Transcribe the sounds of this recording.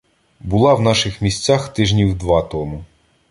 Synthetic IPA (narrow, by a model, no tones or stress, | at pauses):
bʊlˠɑwn̪ɑʃɪxmʲisʲt͡sʲaxt̪ɪʒnʲiwd̪ʋɑt̪ɔmʊ